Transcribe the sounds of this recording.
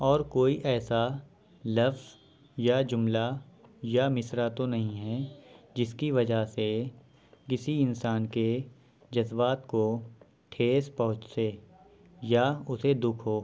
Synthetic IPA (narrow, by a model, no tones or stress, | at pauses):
ɔːɾkoːiʔɛːsa | lɐfz | jad͡ʒʊmlajamɪsɾat̪onɐɦĩɦɛd͡ʒɪskiʋɐd͡ʒase | kɪsiɪnsaːnke | d͡ʒɐzbaːt̪ko | ʈʰeːspɐɦʊ̃t͡ʃseː | jaʊsed̪ʊkʰɦoː